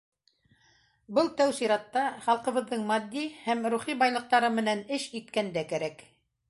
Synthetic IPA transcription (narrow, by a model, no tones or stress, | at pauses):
bɤlˠt̪æwsiɾɑt̪ːɑχɑlˠqɤ̆βɤ̆ðːɤɴmɑd̪ːihæmɾuχibɑjlˠɤ̆q̚t̪ɑɾɤmɘ̆nænɘʃit̪kænd̪ækæɾæk